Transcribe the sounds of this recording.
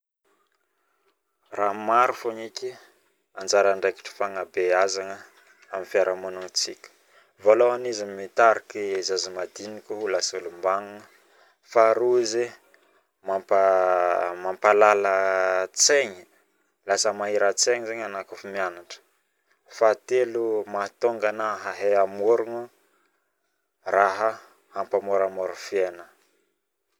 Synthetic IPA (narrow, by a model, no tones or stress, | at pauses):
ramaɾufoɲikʲi | and͡ʒaɾaɳɖ͡ʐaki̥ʈ͡ʂi̥faŋabeazaŋə | amifiaɾəmanuŋt͡sḭkʲə̥ | voloanizimit̪aɾakezazimad̪inikʲuɦulasulumbaŋunə | faɾuize | mapa | mampalalət͡seɲi | lasəmaɦiɾat͡seɲizeɲanakufimianaʈ͡ʂə̥ | fat̪elumat̪oŋɡanaɦaɦeamoɾuŋu | raɦə | ampamoɾamoɾufienə